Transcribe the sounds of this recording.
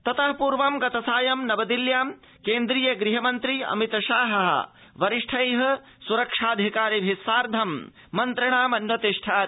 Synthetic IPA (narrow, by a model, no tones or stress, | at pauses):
t̪ɐt̪ɐɦpuːɾʋɐmɡɐt̪ɐsaːjɐmnɐbɐd̪iljaːm | keːnd̪ɾijɐɡɾiɦɐmɐnt̪ɾiɐ̰mit̪ɐʃaːɦɐɦɐ̰ | ʋɐɾiʂʈʰɐjɦɐ̆ | suɾɐkʂaːd̪ʱikaːɾibʱisaːɾd̪ʱɐmː | ɐnt̪ɾɐɳ̃aːmɐnʋɐt̪iʂʈʰaː